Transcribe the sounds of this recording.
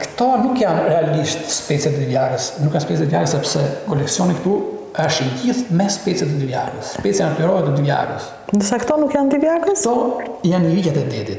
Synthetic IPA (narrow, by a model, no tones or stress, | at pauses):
kt̪ɔnukjanɾɛaliʃt̪spɛt͡sjɛt̪ɛd̪ivjaɾəsnukːjanspɛt͡sɛt̪ivjaɾəsɛpsɛkɔlɛksiɔnikt̪u | aʃiɟiθmɛspɛt͡sjɛt̪ɛd̪yvja̰rə̰sspɛt͡sjanflɛɾɔɦɛt̪ɛd̪yvja̰rə̰s | nd̪əsakt̪ɔnukjant̪ivjarəspɔjanəlicat̪ɛd̪ɛd̪it̪